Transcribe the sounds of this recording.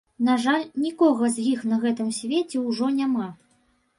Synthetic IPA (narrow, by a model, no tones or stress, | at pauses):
naʐalʲnʲikɔɣɐzʲjixn̪ɐɣɛt̪ɨmsʲvʲet͡sʲɛwʐɔnʲama